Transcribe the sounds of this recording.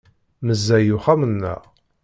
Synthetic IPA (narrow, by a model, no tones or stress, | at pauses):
məzːæjuχamənːə̰ʁ